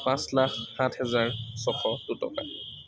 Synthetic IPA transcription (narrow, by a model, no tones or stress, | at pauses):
pãslakːathɛzaɹsɔxʰɔdutɔ̰ka̰